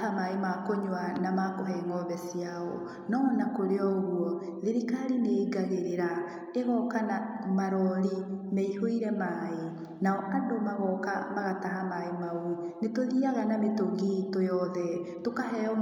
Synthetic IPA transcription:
amaemakoɲwanamakoɦɛŋɡɔβɛsijaɔ̰ | nɔnakoɾeɔoɣuɔðiɾikaɾineːɡaɣeɾeɾa | eɣɔkanamaɾɔɾimɛihoiɾɛmae | naɔʔandomaɣɔkamaɣataɦamaemaunetoðiaɣanametoŋɡetojɔðɛtokaɦɛɔ

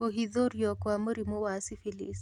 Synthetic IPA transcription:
oɦiðɔɾjɔkwamoɾimowasifilḭs

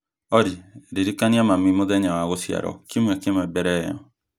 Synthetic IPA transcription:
ɔɾiɾiɾikaniamamimoðɛɲawaɣosja̰ɾɔ̰kimwakemɛbɛɾɛjɔ̰

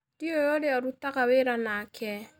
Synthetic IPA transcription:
diojɔɾeɔɾutakaweɾanakʰɛ

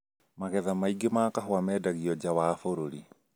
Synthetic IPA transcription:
maɣɛðamaiɡemaːkaɦɔamɛːdaɣiɔd͡ʒawaːfoɾoɾi

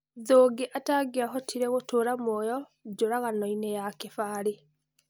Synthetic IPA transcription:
ðoːɡeʔataɡeaɦɔtʰiɾeɣotoːɾamɔjɔ | d͡ʑoɾaɣanɔinejakefaɾe

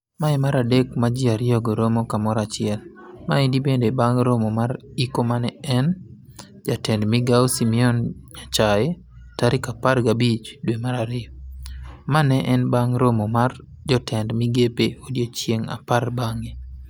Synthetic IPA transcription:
maɛmaɾadekmad͡ʒɪaɾɪɔɡoɾomokamɔɾat͡ʃɪɛl | maidibendebaŋɾomomaɾikomanɛɛn | d͡ʒatɛndmɪɡaosimiɔnɲat͡ʃaɛ | taɾɪkaparɡabit͡ʃdwemaɾaɾɪɔ | manɛʔɛnbaŋɾomomar | d͡ʒɔtʰɛndmiɡepeodjet͡ʃjeŋa̰parbaŋe

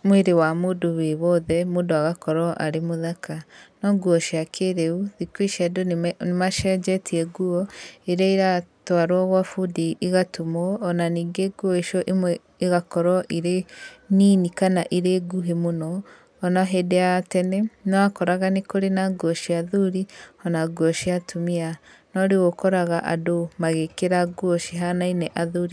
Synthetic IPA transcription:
mweɾewamoːdoβeβɔðɛmoːndoaɣakɔɾɔʔaɾemoðakanɔŋɡuɔʃiakʰeɾeuðikwiʃɛdonmaʃɛd͡ʒɛtʰiɛɡuɔeɾaiɾatwaɾwaɣwafudiʔiɣatomɔːnaniːŋɡeɡuɔeʃɔʔemwɛ | eɣakɔɾɔʔiɾeniːnikanaʔiɾeɡuɦemonɔː | naɦedeatɛnɛnɔakɔɾaɣanekoɾenaɡwɔʃiaðuɾihɔnaɡuɔʃiatʰomia | nɔɾeɣokɔɾaɣaʔa̰domaɣekeɾaɡuɔʃiɦanainɛʔaðuɾi

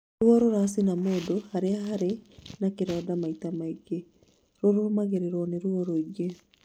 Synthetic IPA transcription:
ɾwɔɾoɾas̬inamoːdohaɾeaɦaɾenakeɾɔːdamaitamaiɡe | ɾoɾoomaɣeɾeɾwɔneɾwɔɾoiɡe

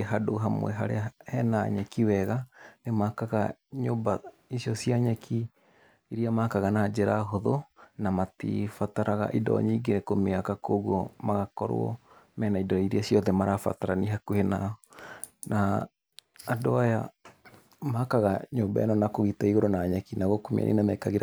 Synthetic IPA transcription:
ɦadoɦamwɛ̰ɦaɾḛahɛnaɲɛkiwɛɣanemakaɣaɲoːmba | isjɔsiaɲɛkʰi | iɾiamakaɣanad͡ʒeɾaɦoðonamatḭfataɾaɣa̰ʔidɔ̰ɲiːɡenekomeakakoːɣwɔmaɣakɔɾ̰ɔ̰mɛːnaidɔiɾiasjɔðɛmaɾafa̰taɾaniɦakuhena | naː | doaja | makaɣaɲomba̰ḛnɔnakoɣitaiɣoɾonaɲɛkinaɣokomḛa̰nʔḛnamɛkaɣeɾa

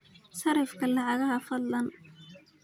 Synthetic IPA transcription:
sɐɾɪfkʰɐlɑʕɑɣɐɦɐfɐd̪lɐn

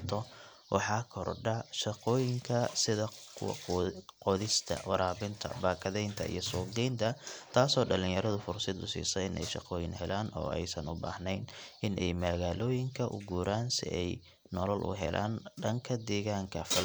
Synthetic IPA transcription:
t̪ʰɔ | wɑħɑːkʰɔrɖɐʃɐqɔːjɪŋkʰɐsɪðɐ | qɔðɪst̪ʰɐ̰wɑɾaːβɪnt̪ʰɐ̰baːkʰɐðɛjnt̪ʰɐḭjɔsɔːɡɛjnt̪ʰɐt̪ʰaːsɔːɖɐlɪ̃ŋjɐɾɐðʊfʊrsɪd̪ʊsḭːsɔɪnɛ̰jʃɑ̰qɔːjɪnhɛlaːnɔ̰ːɛ̰jsɐnʊba̰ːhnɛjnʔɪnʔɛjmɐɣaːlɔːjɪŋkʰɐʔʊ̰ɡuːɾaːnsɪ̰ʔɛj | nɔlɔlʔʊ̰ɦɛ̰lʔa̰ːnɖɐŋkʰɐd̪ɛːɣaːŋkʰɐfɐl

